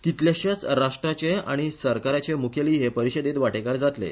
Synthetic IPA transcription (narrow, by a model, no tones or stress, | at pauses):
kit̪ljaɕjat͡sɾaʂʈɾat͡ɕea̰ɽ̃isəɾkaɾat͡ɕemukʰjeliːɦepəɾiɕed̪et̪ʋaʈekaɾd͡zat̪lḛ